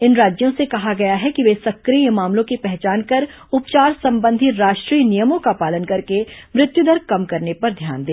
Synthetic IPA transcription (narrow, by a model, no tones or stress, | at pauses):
ɪnɾaːd͡ʒjõsekɐɦaɡɐjaɦɛkiʋeːsɐkːɾiemaːmlõkipɛɦt͡ʃaːnkɐɾ | ʊpt͡ʃaːɾsɐ̃mbə̃nd̪ʱɪt̪ɾaːʃʈɾiːnijəmõkapaːlənkɐɾkemɾɪt̪jud̪ɐɾkɐmkɐɾnepɐɾd̪ʱja̰ːnd̪ẽː